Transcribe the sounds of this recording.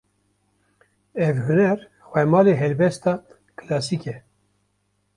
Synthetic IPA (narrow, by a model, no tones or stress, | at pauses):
ɛvhunɛɾ | xʷwɛmɑːleɦɛlbɛst̪ɑː | kʰɨlɑːsikɛ